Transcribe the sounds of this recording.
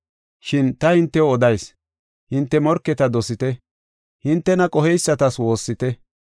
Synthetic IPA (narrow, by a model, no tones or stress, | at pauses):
ʃɪnt̪ɐhɪnt̪ːɛɔd̪ɐjs | hɪnt̪ːɛmɔɾkːɛt̪ɐd̪ɔsɪt̪ɛ | hɪnt̪ːɛnɐkʼɔɦɛjsːɐt̪ɐswo̞ːsːɪt̪ɛ